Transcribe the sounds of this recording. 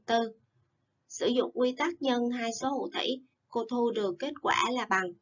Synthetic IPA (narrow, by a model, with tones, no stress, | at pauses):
t̪ɨ˧ | sɨ̰˧˩zʊ̰˧˨ŋ͡mkwi˧t̪aː˦˥k̚ɲə˧nɦaː˧jso˨˦hṵ˧˨˩t̪ʰḭ˧˩j | ko˧t̪ʰu˧ɗɨ˨˩ək̚ːe˦˥t̚kwa̰ː˧˩laː˨˩ɓa˨˩ŋ